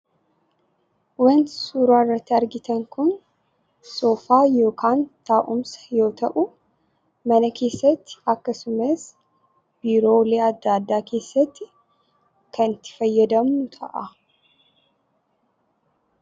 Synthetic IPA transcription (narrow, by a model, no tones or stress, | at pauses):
wɐnsuːɾaːrːɐt̪ːɪɐɾɡɪt̪ɐŋkʊn | soːfaːjo̞ːkʰaːnt̪aːʔʊmsɐ̥jo̞ːt̪ʰɐʔʊ | mɐnɐkʰe̞ːsːɐt̪ːɪ̥ɐkːɐsʊmɐs | biːɾo̞ːleːɐd̪ːaːd̪ːaːkʰe̞ːsːɐt̪ːɪ | kɐnt̪ːɪ̥fɐjːɐd̪ɐmnʊt̪ʰɐ̰ʔɐ